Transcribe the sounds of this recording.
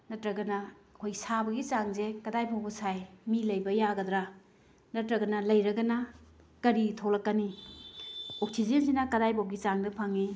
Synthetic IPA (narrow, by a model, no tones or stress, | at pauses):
nɐtɾɐɡɐnɐ | kʰojɡisabɐɡit͡ʃaŋzekɐdajpʰowbɐsajmilɐjbɐjaɡɐdɾa | nɐtɾɐɡɐnɐlɐjɾɐɡɐnɐ | kɐɾitʰolɐkːɐni | ok̚sizensinɐkɐdajpʰowb̚ɡit͡ʃaŋdɐpʰaŋi